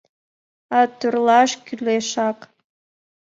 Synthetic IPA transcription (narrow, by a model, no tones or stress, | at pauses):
ɑt̪yrlɑʃkʲyleʃɑq